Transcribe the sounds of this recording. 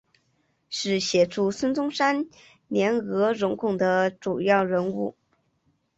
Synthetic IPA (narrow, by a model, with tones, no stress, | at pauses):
ʂɻ̩˥˩ɕjɛ˨˩ʈ͡ʂʰu˥˩swə˥nt͡sʊ˥ŋʂa˥n | njɛ˧˥nɣɤ˧˥ɻʊ˧˥ŋkʰʊ˨˩ŋd̪ə˦ʈ͡ʂu˨˩jɑ˥˩ʊɻə˧˥nu˥˩